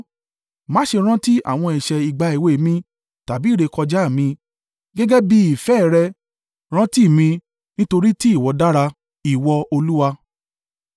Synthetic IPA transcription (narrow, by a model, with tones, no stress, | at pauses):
mã˨˦ʃe˧ɾ̃ã˦ti˦ʔa̰˦˨w̃ɔ̃˧ɛ˨ʃɛ˨i˨ɡ͡ba˧ie˨we˨˦mĩ˧ | ta˨bi˨˦˨ɾe˧kɔ˧d͡ʒa˦˨mĩ˧ | ɡɛ˦ɡɛ˦bi˦i˨fɛ˦˨ɾɛ˧ | ɾ̃ã˦ti˦˨mĩ˧ | nĩ˦to˧ɾi˦ti˦i˦˨wɔ˧da˦ɾa˧ | i˨wɔ˧o˧lu˦wa˧